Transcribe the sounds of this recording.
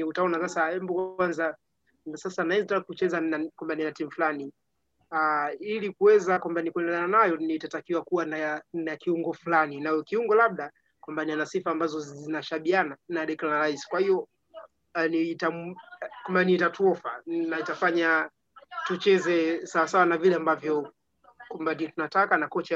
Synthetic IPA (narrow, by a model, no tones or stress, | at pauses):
utaɔnasasaɛmbɔkwwanza | nasasanaɛztakkut͡ʃɛzanakwambaninatim̩ufulani | ailikuwɛzakwambanikuɛndɛlananajɔnitatakiwakuwanaanakiuŋɡɔfulaninaɔkiuŋɡɔlaɓ̚ɗa | kwambanianasifaːmbazɔzinaʃaɓiananaɗɛkalanaɾaisi̥kwahijɔ | nitamkwambanitatuɔfa̰naitafaɲa | tut͡ʃɛzɛsawasawanavilɛambavjɔ | kwambandiɔtunatakanakɔt͡ʃa